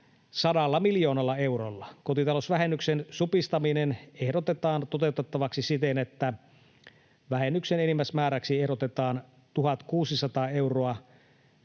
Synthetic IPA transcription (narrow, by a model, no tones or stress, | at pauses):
sɑdɑlːɑmiljo̞ːnɑlːɑe̞urolːɑko̞t̪it̪ɑlosʋæɦenːyksensupist̪ɑminenehdo̞t̪et̪ɑːnt̪o̞t̪e̞ut̪et̪ːɑʋɑksisit̪enet̪ːæ | ʋæhenːyksenenimːæsmæːɾæksiehɾot̪et̪ɑːn | t̪uɦɑt̪kuːsisɑt̪ɑːe̞wroɑ